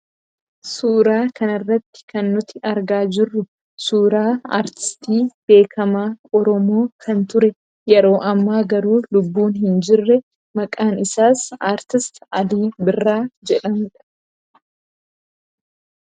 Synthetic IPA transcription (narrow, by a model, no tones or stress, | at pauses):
suːɾaːkɐnɪrːɐt̪ːɪ̥kɐnːʊt̪ɪʔɐɾɡaːd͡ʒɪrːʊ | suːɾaːa̰ːɾt̪ɪ̥st̪iːb̥e̞ːkʰɐmaːɔɾɔmo̞ːkʰɐnt̪ʊɾɛ | jɛɾo̞ːʔɐmːaːɡɐɾuːlʊbːuːnɦɪnd͡ʒɪrːɛ | mɐkʼaːnɪsaːsaːɾt̪ɪst̪ɐliːbɪrːaːd͡ʒɛᶑɐnᶑɐ̥